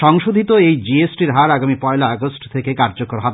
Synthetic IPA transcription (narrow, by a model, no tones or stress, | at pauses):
ʃɔŋʃod̪ʱit̪oejd͡ʑiesʈiɾɦaɾaɡamipɔelaɔɡosʈt̪ʰekekaɾd͡ʑokoɾɦab